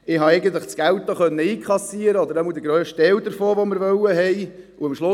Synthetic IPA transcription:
ɪɦɑɛɪjɡən̩t̪ləχt͡sɡ̥æwt̪ːoχœnːəiːkʰχɑsiəɾəɔd̪əɾɛməld̥̪əɡɾœːʃtɛld̪əɾfoːʋoməɾvœwəɦɛj | uɪmʃlʊ

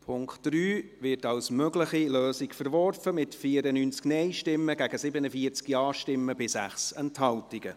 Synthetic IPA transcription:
pʰʊŋktd̥ɾyːvɪtɑlsmøɡləχiløːsikfəɾvɔrfəmɪtfiːəɾənyːnt͡sknɛɪʃtɪmːəɡæɡ̥əsɪbənəfiəɾt͡skiɑːʃtɪmːəbɪsæχsɛnthɑltɪɡ̥ə

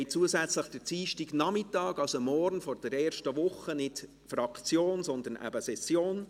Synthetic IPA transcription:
ɪt͡suəzæt͡sləχd̥ɛt͡siːʃtiɡnɑmɪtɑːɡ̥ɑlsomɔɾnfɔɾd̥ɛɾɛːɾʃtəʋʊχənɪt | fɾɑkt͡sjoːnsɔnd̪ən̩æ̰bəsɛsjoːn

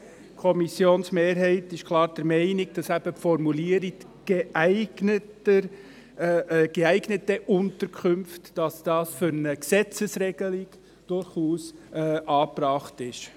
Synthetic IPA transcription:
kʰɔmisjoːnsmeːɾɦɛɪtɪʃkʰlˠɑːɾd̥ɛɾmɛɪniɡ̚d̥ɑsæbəpfɔɾmuliːəɾik | ɡ̥eæɪɡnətə | ɡ̥eæɪɡnətəʔʊntəɾkʰχʏmftːɑsd̥ɑːsføɾnəksɛt͡səsrɛɡ̥əliɡ̥ | d̥ʊɾχuːsʔɑːprɑːχtɪʃ

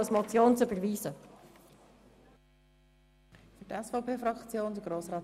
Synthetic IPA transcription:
smɔt͡sjoːnt͡søbəɾʋiːzə | fyɾtɛsfɔʊpʰeːfɾɑkt͡sjoːndəɡɾoːsɾɑː

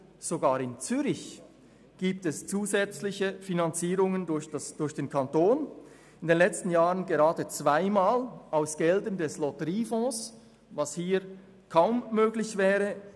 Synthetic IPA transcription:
z̥oɡaːʁɪnt͡syɾɪç | ɡ̥iːp̚tɛst͡suːzɛt͡slɪçəfinant͡siːʁʊŋəndʊɐçd̥asd̥ʊɐçd̥eːnkʰantoːn | ɪndenlɛt͡stn̩jaːʁənɡeʁaːdət͡sv̥aɪmaːlʔaʊsɡ̥ɛldəndɛslɔtəʁiːfɔ̃ːs | vashiː | kʰaʊmːøːɡlɪçvɛːʁə

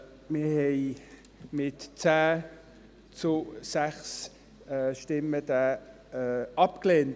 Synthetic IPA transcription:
mɪɐhɛɪ | mɪtt͡sæː | t͡sʊsæχs | ɛʃtɪməd̥æː | ɑpkleːnt

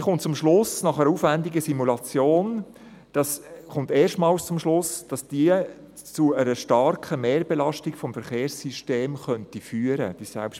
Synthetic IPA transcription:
χʊntt͡sʊmʃlʊsnɑχəɾəuːfvændɪɡəsimulɑt͡sjoːn | d̥ɑsχʊnt̪eːʃtmɑːlst͡sʊmʃlʊsd̥ɑsd̥iə | t͡suəɾəʃtɑɾkəmeːɾbɛlɑʃtɪkfɔmfɛɾχeːɾsiʃteːmχœntifyːəɾə̰d̥isæ̰lpʃt

